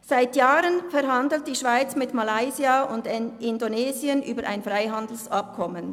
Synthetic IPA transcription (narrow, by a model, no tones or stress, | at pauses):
z̥aɪtjaːʁənfɛɾɦɑndl̩t̚d̥iːʃv̥aɪt͡smɪtmalaɪziaʊndʔɪndoneːziənʔyːbəɾʔa̰ɪnfʁaɪɦɑndl̩sɑp̚kʰɔmən